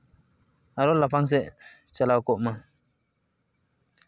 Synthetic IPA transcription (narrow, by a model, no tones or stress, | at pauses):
aɾolapʰaŋs̬ɛʔ | t͡ɕalakoʔma